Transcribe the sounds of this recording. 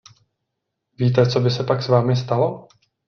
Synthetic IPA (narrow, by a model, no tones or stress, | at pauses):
viːt̪ɛt͡so̞bɪsɛpaksvaːmɪst̪alo